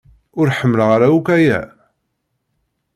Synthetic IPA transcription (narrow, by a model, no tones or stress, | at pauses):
ʊɾħəmːələʁaɾaukæjæ̰